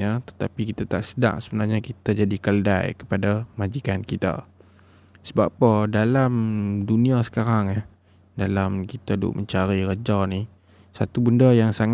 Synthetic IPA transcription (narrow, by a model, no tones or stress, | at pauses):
at̪ə̥t̪apikit̪at̪aʔsəda̰ʔsəbənarɲakit̪ad͡ʒadikələda̰jkə̥padamad͡ʒikankit̪a̰ | səbapədalamduniasə̥kaɾaŋah | dalamkit̪adʊ̰ʔ̚məɲt͡ʃaɾiɾəd͡ʒawni | sat̪ubəndəjaŋsaŋ